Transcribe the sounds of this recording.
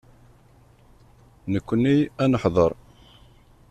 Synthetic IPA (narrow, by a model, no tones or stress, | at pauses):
nəkʷːənːiænəħðˤəɾˤ